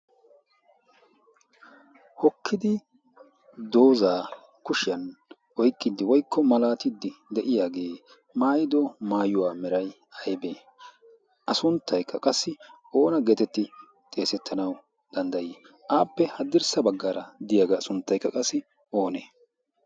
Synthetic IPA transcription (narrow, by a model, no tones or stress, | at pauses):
hɔkʰːɪd̪ɪ | d̪o̞ːzaː | kʊʃɪjɐn | wɔjkʼːɪd̪ːɪwɔjkːɔmɐlaːt̪ɪd̪ːɪd̪ɛʔɪjaːɡe̞ː | maːjɪd̪ɔmaːjʊwaːmɛɾɐj | ɐjbeː | ʔɐsʊnt̪ʰːɐjkːɐkʼɐsːɪ | o̞ːnɐɡeːt̪ɛt̪ːɪ | t̪ʼe̞ːsɛt̪ʰːɐnɐw | d̪̥ɐnd̪ɐjɛː | ʔaːpːɛhɐd̪ːɪɾsɐbɐɡːaɾɐd̪ɪjaːɡɐːsʊnt̪ːɐjkːɐkʼɐsːɪ | o̞ːneː